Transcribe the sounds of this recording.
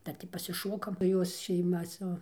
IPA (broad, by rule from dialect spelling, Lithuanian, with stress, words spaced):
ˈdɐr tʲiː pɐsʲɪˈʃoːkɐm ˈjoːs ʃʲɛɪˈmɐ sʊ